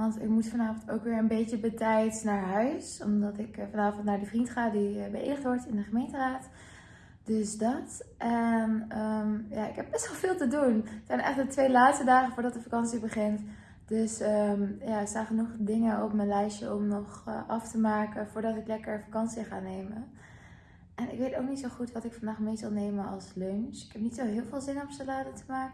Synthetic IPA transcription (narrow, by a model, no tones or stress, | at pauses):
ʋɑntɪ̰kmutfɑnaːvəntoːwkʋɪːɹənbejt͡ʃəbətɛjtnaːɹɦœɥsɔ̰mdɑtɪkfɑnaːvɑntnaːɹdifrintχaːdibəʔḛjdəχtʋɔɹtɪndəχəmejntəraːt | d̥øsdɑtʔɛnəmjaːɪkɦɛb̚b̥ɛstʋɛlˠvɪːlˠtəduntsɛjnɛχt̚dətʋejlaːtstədaːχənfʊːɹdɑt̚dəfakɑnsibəχɪnt | d̥øsəmjaːəsanχənuχdɪŋənɔpmənlɛjʃəɔmnɔχʔɑftəmaːkəvʊːɹdɑtɪklɛkəɹfakɑnsiəχaːnejmən | ʔɛnɪkʋejtowk̚nitsoχutʋɑtɪkfɑndaːχmejzɑlˠnejmənɑlˠslønsɪ̥kɦɛp̚nitsowɦɪːlˠvɪːlˠzɪnɔpsalaːdətəmaːkə